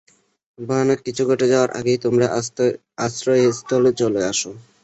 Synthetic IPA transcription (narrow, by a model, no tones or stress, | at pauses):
banekit͡ɕʰuɡʱɔʈed͡ʑaoaɾʔa̰ɡejt̪omɾa | asɾojɦist̪olet͡ɕoleaʃo